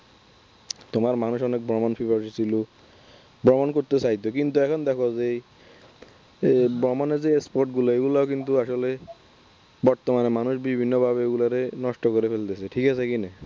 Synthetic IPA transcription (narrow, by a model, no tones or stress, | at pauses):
t̪omaɾmanuʃɔnek̚bɾɔmonfibaɾʃisʰilo | bɾɔmonkoɾt̪et͡ɕajt̪okint̪uɛkʰɔnd̪ɛkʰoze | bɾɔmonezeespoɾʈɡuloeɡulaokint̪uaʃole | bɔɾt̪omanemanuʃbibʱinːobʱabeeɡulaɾenɔʃʈokoɾefʰelt̪esʰeʈʰikasʰekine